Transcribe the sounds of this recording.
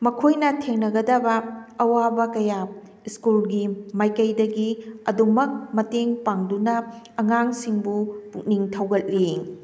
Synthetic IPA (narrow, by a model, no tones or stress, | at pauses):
mɐkʰojnɐtʰeŋnɐɡɐdɐbɐɐwabɐkɐja | iskulɡimajkɐjdɐɡiɐdumɐk̚mɐteŋpaŋdunɐ | ɐŋaŋsiŋbupuk̚niŋtʰɐwɡɐt̚li